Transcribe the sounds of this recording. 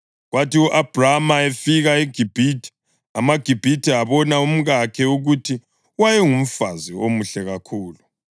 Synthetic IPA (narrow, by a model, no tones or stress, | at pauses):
ɣwatiuʔab̥ʱramaefiɣaeɡ̥ʱib̥ʱitʰi̥ | a̰maɡ̥ʱib̥ʱitʰiaβɔnaum̩ɣakʰɛuɣutʰi | wajɛŋum̩faziomuɬɛɣakʰuːlu